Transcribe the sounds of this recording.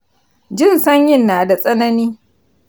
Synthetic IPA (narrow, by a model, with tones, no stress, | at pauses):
d͡ʒɪ˦˨nsɐ˦ɲjɪ˦˨nːaː˨da˨sʼɐ˦nɐ˦niː˦